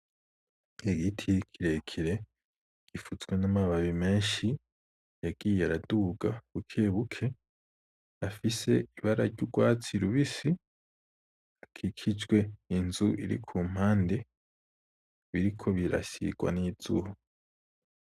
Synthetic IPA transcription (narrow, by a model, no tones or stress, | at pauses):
eɡitʰikʰiɾe̞kʰiɾe̞ | ɡ̥ifuzɡwe̞namaβaβime̞ːnʃi | jaɡ̥iːjeaɾaduɡaβukʰe̞βukʰe̞ | afise̞iβaɾaɾɟuɡwaːt͡siɾuβisi | akʰikʰid͡ʒɡwe̞inzuʔiɾḭkʰuːm̥haːnde̞ | βiɾikʰo̞βiɾa̰sḭɡ̥wa̰niːz̥ṵho